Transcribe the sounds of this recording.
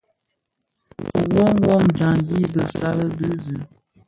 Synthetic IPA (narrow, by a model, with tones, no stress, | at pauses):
wɔ˦ŋ˦wɔ˦md͡ʒa˨ji˦bə˨sa˦lə˦bə˦zʉ˨